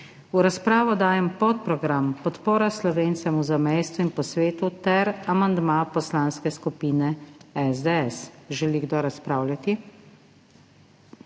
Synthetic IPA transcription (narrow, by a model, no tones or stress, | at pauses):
uɾaspɾaːʋɔd̪aːjɛmpɔt̪̚pɾɔɡɾampɔt̪poːɾaslɔʋeːnt̪sɛmuzamɛjst̪uinpɔsʋeːt̪ut̪ɛɾamand̪mapɔslanskɛskupiːnɛɛzd̪ɛɛsʒɛliɡd̪ɔɾaspɾaːwlʲjat̪i